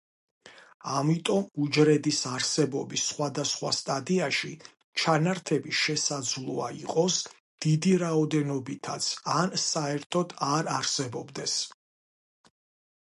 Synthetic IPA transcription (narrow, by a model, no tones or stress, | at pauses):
amit̪ʼɔmud͡ʒɾɛd̪isaɾsɛbɔbisːχwad̪asχwast̪ʼad̪iaʃi | t͡ʃʰanaɾt̪ʰɛbiʃɛsad̪zlˠuaiqʼɔs | d̪̥id̪iɾaɔd̪ɛnɔbit̪ʰat̪sʰansaɛɾt̪ʰɔd̪aɾaɾsɛbɔbd̪ɛs